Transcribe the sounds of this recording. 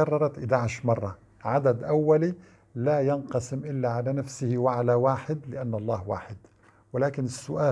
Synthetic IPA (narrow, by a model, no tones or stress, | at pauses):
ɑrˤːɑɾˤɑt̪ʔɪd̪aʕɪʃmɑrˤːɑ | ʕad̪ad̪ʔawːali | lajɪnqɑsɪmʔɪlːaʕalanafsɪhiwɪʕalawaːħɪd̪lɪʔanːʔɑlˤːɑːhwa̰ːħɪd̪ | wɪlaːkɪnɪsːʊʔaː